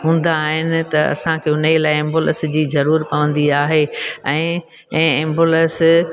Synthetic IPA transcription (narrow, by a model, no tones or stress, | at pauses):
ɦũːn̆d̪aːɦɪnɪ̆t̪ɐɐ̰sãkʰeːʊnəlaːɪẽːmbolə̰sd͡ʑiːzɐɾuːɾpɐʋə̃nd̪iaːɦeɛ̃ː | ẽːmboləs